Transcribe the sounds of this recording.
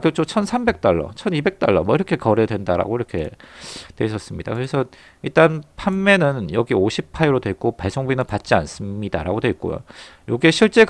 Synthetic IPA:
kɯt͡ɕ͈ot͡ɕʰʌnsʰambe̞k̚t͈aɭːʌ̰t͡ɕʰʌnibe̞k̚t͈aɭːʌmwʌiɾʌkʰe̞kʌɾedwe̞ndaɾa̰ɡoiɾʌkʰe̞̰twe̞iɕ̬͈ʰʌs͈ɯmɲida̰kɯɾe̞sʰʌ | iɭt͈anpʰamːe̞nɯnjʌɡioɕʰipʰaeɾodwe̞k͈opaɭsʰoŋbuinɯnpat̚t͡ɕ͈ia̰ns͈ɯmɲida̰ɾa̰ɡodwe̞ik̚k͈o̰jo̰ | joɡieɕʰiɭt͡ɕ͈e̞k

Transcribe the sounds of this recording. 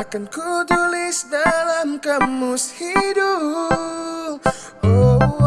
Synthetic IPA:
akankut̪ulɪsdalamkamːʊshidu | p̚ | o

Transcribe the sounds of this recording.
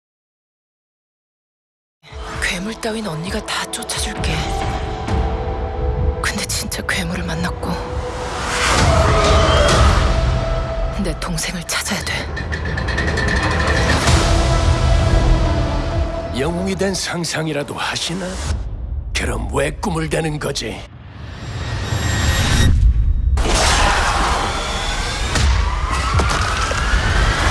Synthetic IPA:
kwe̞muɭt͈awinʌɲːiɡatat͡ɕ͈ot͡ɕʰad͡ʑuɭk͈e̞ | kɯnde̞t͡ɕint͡ɕ͈akwe̞muɾɯɭmanːak̚k͈o | kɯnde̞toŋsʰe̞ŋɯɭt͡ɕʰad͡ʑajadwe̞ | jʌŋuŋidwensʰaŋsʰaŋiɾado̰haɕʰina | kɯɾʌ̰mwek͈umɯɭdwenɯnɡʌd͡ʑḭ

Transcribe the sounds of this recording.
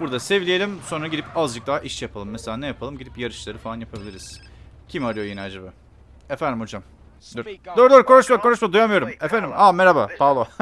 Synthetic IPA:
buɾd̪asevlʲije̞lʲimso̞nɾaɟid̪ipazd͡ʒɯk̚d̪aːʔiʃɛjapʰalˠɯmːeselʲaːnɛjapʰalˠɯmɟid̪ipjaɾɯʃlˠaɾɯfaanjapʰabilʲiɾiz̥cʰimaɾɯjojinɛad͡ʒabaː | efænd̪imho̞d͡ʒam | d̪yɾd̪øɾd̪øɾko̞nuʃmako̞nuʃmad̪ujamɯjo̞ɾumefænd̪imameɾabapʰalˠo

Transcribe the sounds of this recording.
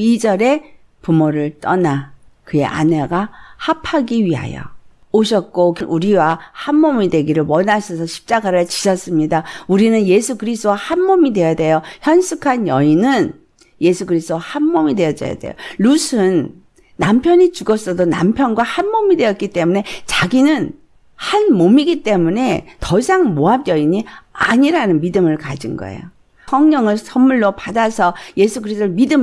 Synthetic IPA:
id͡ʑʌɾe̞ | pumoɾɯɭt͈ʌna | kɯe̞̰ʔa̰neɡahapʰaɡiɥiɦa̰jo̰ | oɕ̬ʰʌt̚k͈okɯnʔuɾiwahanːomidwe̞ɡiɾɯɭwʌnasʰʌsʰʌɕʰi̥p̚t͡ɕ͈aɡaɾɯɭt͡ɕiɕʰʌs͈ɯmɲidauɾinɯnje̞sʰukɯɾis̬t͈owahanmomide̞jade̞joçjʌnsʰukʰanjʌinɯn | je̞sʰuɡɯɾistowahanmomide̞jʌt͡ɕ͈ʌ̰ja̰de̞̰jo̰lusʰɯnː | ampʰjʌɲit͡ɕuɡʌs͈ʌdona̰mpʰjʌnɡwahanmomidwe̞jʌt̚k͈it͈e̞mune̞t͡ɕaɡinɯn | hanmomiɡit͈e̞mune̞tʌisʰaŋmoap̚jʌiɲia̰ɲiɾanɯnmidɯmɯɭkad͡ʑinɡʌ̰ḛjo | sʰʌŋɲʌŋɯɭsʰʌmmuɭːopadasʰʌje̞sʰukɯɾist͈ʰːmidɯm

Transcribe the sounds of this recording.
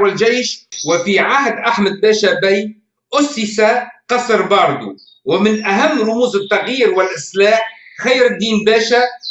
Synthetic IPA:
ɪlʒajʃwɪfiʕahd̪ʔaħməd̪̚bæːʃæbæj | ʔʊsːɪsaqɑsɾbɑːɾˤd̪ṵ | wɪmɪnʔæɦamːɾˤʊmuːzɪt̪ːɑɣjiːɾwɪlʔɪslaːħxajːɾɪd̪ːiːnbæːʃæ

